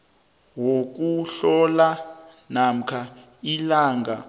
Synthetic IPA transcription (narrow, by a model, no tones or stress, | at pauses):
wok̬uɬɔla | nam̩kʰa | ilaːŋɡa̰